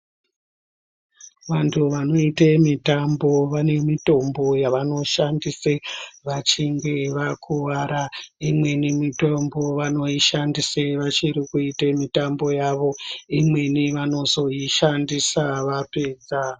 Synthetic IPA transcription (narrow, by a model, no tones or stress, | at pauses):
ʋantʰuʋano̞itemitambo̞ʋane̞mito̞mbo̞jaʋano̞ʃandiseʋat͡ʃiŋɡe̞ʋakʰuʋaɾaimwe̞nimitombo̞ʋano̞iʃandiseʋat͡ʃiɾikuitemitambo̞jaʋo̞imwe̞niʋano̞zo̞iʃandisaʋapeːd͡za